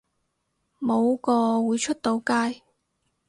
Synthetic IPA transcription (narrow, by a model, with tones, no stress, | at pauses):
mo˨˧wkɔː˧wuː˨˧jt͡ʃʰɵ˥t̚t̪o˨˧wkaː˥j